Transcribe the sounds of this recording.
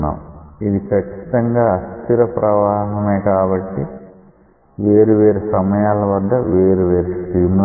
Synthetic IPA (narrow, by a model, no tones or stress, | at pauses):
a̰ːmid̪ikɐt͡ʃːi̥t̪ɐŋɡaːɐst̪iɾɐpɾɐʋaːɦɐmeːkaːbɐʈːi | ʋeːɾuʋe̞ːɾusɐmɐjaːlɐʋɐd̪ːɐʋeːɾuʋeːɾusɾiːml